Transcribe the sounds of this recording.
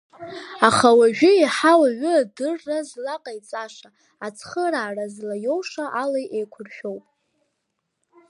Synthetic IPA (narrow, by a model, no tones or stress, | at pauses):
aχawaʒᶣʊiħawaɥʊadɨrːazlaqʼajt͡sʼaʂa | at͡sʰχəraːrazlajowʂaʔalajʔejkʷʰʊrʃᶣo̞wpʼ